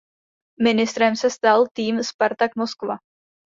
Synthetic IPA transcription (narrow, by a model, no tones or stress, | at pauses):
mɪnɪst̪ɾɛmsɛst̪alt̪iːmspaɾt̪akmoskva